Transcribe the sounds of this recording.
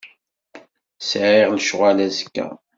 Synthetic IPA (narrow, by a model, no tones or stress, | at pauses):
sʕiʁlʃʁalæzə̥kːæ̰